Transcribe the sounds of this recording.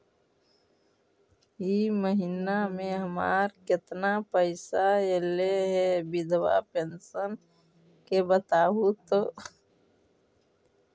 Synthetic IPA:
iməɦinamẽɦəma̰ːɾkɪt̪napəɪsaeleɦɛbɪd̪ʱwa̰pensən | kebət̪aːɦut̪oː

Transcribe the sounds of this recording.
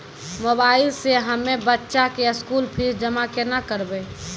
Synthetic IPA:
mobaːɪlseɦəmebətːʃakeɪskulpʰisd͡ʒəmakenakəɾbe

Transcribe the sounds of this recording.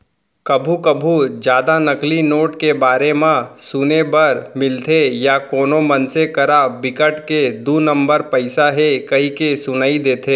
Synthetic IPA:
kɐbʱukɐbʱud͡ʒjaːd̪anɐklinoːʈkebaːɾemãsuːnebɐɾmɪlt̪ʰejakoːnomɐnsekɐɾabɪkəʈked̪uːnɐ̃mbəɾpɐɪsaɦekɐɦikesʊnaid̪eːt̪ʰeː

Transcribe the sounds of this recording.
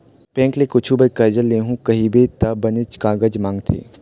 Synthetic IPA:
pɛ̃ːŋklekʊt͡ʃʰubɐkɐd͡ʒəlːeːɦũkɐɦibet̪ɐbɐnɪt͡ʃkaːɡəd͡ʒmãːŋɡt̪ʰḛː

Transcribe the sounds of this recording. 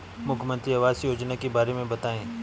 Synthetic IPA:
mʊkʰmə̃nt̪ɾiɐʋaːsjoːd͡ʒnakebaːɾemẽbɐt̪aːẽː

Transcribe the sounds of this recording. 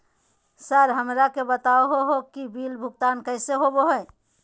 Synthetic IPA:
səɾɦəmɾakebət̪aoɦoɦokibilbʱuɡt̪ankəɪseɦoboɦoj

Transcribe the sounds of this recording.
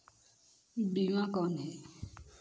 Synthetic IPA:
biŋãkɔnɛ

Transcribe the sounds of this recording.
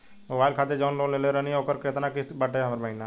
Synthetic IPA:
mobaːɪlkʰaːt̪ed͡ʒaʊnloːleːleɾənioːkəɾkɾet̪nakɪsbəʈeɦɐmɾməɦɪna

